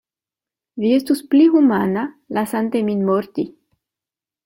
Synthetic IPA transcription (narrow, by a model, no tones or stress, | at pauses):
viest̪usplihumana | lasant̪eminmoɾt̪i